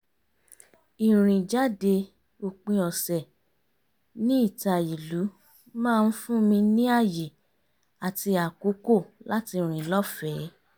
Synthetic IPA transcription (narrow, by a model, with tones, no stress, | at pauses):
i˨ɾ̃ĩ˨d͡ʒa˨˦de˧ | o˧k͡pĩ˧ɔ˨sɛ˨ | nĩ˦i˦˨ta˨i˨lu˨˦ | mãː˦˧n̩˦fũ˦mĩ˧nĩ˦a˦˨je˨ | a˨ti˧a˨ko˨˦ko˦˨la˦ti˧˨ɾ̃ĩ˨lɔ˦fɛ˨˦